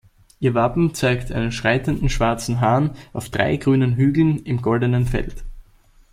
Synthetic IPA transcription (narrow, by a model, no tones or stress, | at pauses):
ʔiːɐvapm̩t͡saɪktʔaɪnənʃʁ̥aɪtəndn̩ʃv̥aɐt͡sn̩ɦaːɐnʔaʊfd̥ʁa̰ɪɡʁyːnənɦyːɡl̩nɪmɡɔldənənfɛ̰lt